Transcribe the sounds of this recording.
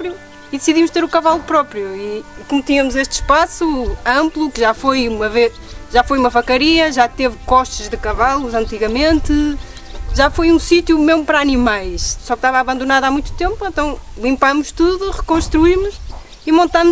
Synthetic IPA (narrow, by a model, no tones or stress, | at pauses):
pɾju | iðɨsiðimuʃt̪eɾukɐvalˠupɾɔpɾjuikumt̪iɲɐmuzeʃt̪ʃpasuɐ̃mplˠukɨʒafojumɐveʃʒafojumɐfɐkɐɾiɐʒat̪evkɔʃt̪ɨʒðɨkɐvalˠuzɐ̃nt̪iɣɐmẽnt̪ɨ | ʒafojũsit̪jumewmpɐɾaɐnimajʃsɔkʃt̪avaβɐ̃nd̪unaðamũj̃t̪u̥t̪ẽmpuẽnt̪ɐ̃w̃lˠĩmpamuʃt̪uðuʁɨkõʃt̪ɾuimuʃ | imõnt̪am